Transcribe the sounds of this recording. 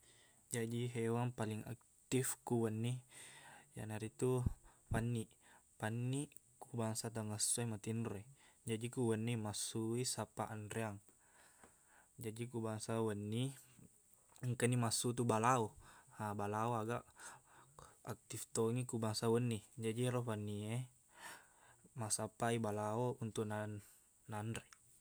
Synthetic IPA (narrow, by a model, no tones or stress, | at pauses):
d͡ʒad͡ʒiɦewaŋpaliŋa̰k̚t̪ifkuwənːi | ja̰naɾit̪u | panːi | panːi | kubaŋsat̪aŋəsuemat̪indoed͡ʒad͡ʒikuwənːimasuisapaʔandɾeaŋ | d͡ʒadikubaŋsawənːi | ŋkənimasut̪̬ubalaoabalaoaɡaʔ | ak̚t̪ift̪oŋikubaŋsawənːid͡ʒadiɾɔpanːie | masapaibalaount̪uʔnaː | andɾe